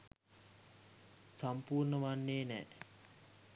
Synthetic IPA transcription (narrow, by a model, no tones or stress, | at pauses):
sampuːrnəʋanːeːnɛ̰ː